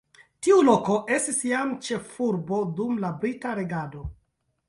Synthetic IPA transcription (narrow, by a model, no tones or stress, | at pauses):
tiulo̞ko̞ʔe̞stisjamt͡ʃe̞fuɾbo̞dumlabɾitaɾe̞ɡado̞